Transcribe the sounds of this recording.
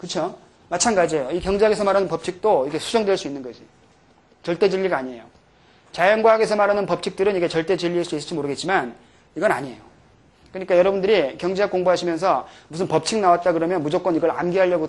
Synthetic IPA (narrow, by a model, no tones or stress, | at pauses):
kɯt͡ɕʰo | mat͡ɕʰanɡad͡ʑiejoikjʌŋd͡ʑeɦaɡe̞sʰʌmaɾanɯnpʌp̚t͡ɕʰik̚t͈oikʰe̞sʰud͡ʑʌŋdwe̞ɭs͈uinːɯnɡʌd͡ʑʰi | t͡ɕʌɭt͈e̞d͡ʑiʎːiɡaːɲie̞jo | t͡ɕajʌnɡwaɦaɡe̞s̬ʰʌmaɾanɯnpʌp̚t͡ɕʰik̚t͈ɯɾɯniɡe̞t͡ɕʌɭt͈e̞t͡ɕiʎːiɦaɭs͈uisɯɭt͡ɕd͡ʑimoɾɯɡet̚t͡ɕ͈iman | iɡʌna̰ɲie̞jo | kɯɲik͈ajʌɾʌbundɯɾikjʌŋd͡ʑeɦakoŋboɦaɕʰimjʌnsʰʌmusʰɯnpʌp̚t͡ɕʰiŋnawat̚t͈akɯɾʌmjʌnmud͡ʑok͈ʌniɡʌɾa̰mɡiɦaʎːʌɡo